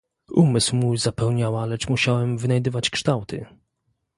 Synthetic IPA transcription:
umɘswmujzapɛwɲawalɛt͡ʂmuɕawɛmvɘnajd̪ɘvat͡ɕkʂt̪awt̪ɘ̰

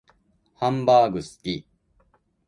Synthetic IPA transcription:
hãmbaːɡɯ̟sɨ̥kʲi

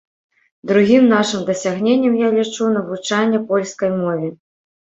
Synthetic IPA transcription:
d̪ɾuɣʲimnaʂɨmd̪ɐsʲaɣnʲenʲːɐmjalʲit͡ʂunɐvut͡ʂanʲːɐpɔlʲskɐjmɔvʲi

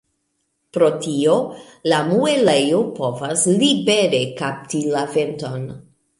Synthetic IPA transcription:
pɾo̞tio̞lamuelejopo̞vaslibe̞ɾe̞kap̚tilave̞nto̞n

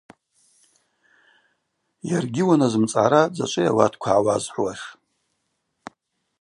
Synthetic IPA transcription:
jarɡʲɪwanazɨmt͡sʼaɾad͡za̰t͡ʃʷʼɨjawatʰkʷʰaʕːwazħʷwaʂ

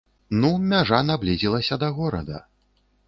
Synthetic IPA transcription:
numʲaʐanablʲizʲilˠɐsʲɐd̪ɐɣɔɾɐ̰d̪ɐ̰

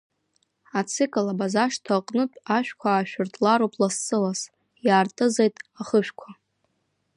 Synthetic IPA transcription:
at͡sʰɨkʼɨlabazaʂtʰaqʼnɨtʼaʃᶣkʷʰaːʃᶣʊrtʰʼlaɾopʰʼlasːɨlas | jaːrtʼɨzejtʼaχəʃᶣkʷʰa

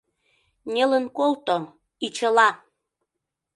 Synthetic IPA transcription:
nʲelənkolt̪o | it͡ɕəlɑ

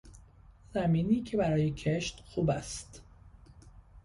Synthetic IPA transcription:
z̥æmiːniːcʰe̞bæɾɒːjecʰeʃt̪xuːbæst̪

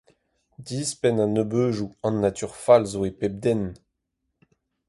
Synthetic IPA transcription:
diːspɛnanøbøːʒuɑ̃nːat̪yʁfalzoepɛb̚d̪ɛn

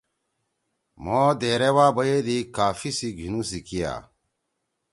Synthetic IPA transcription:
mod̪eːɾewaːbɐjed̪ikaːfisiɡʱinusikija̰ː

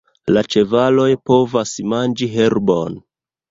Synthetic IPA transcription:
lat͡ʃe̞valo̞jpo̞vasmand͡ʒiɦe̞ɾbo̞n

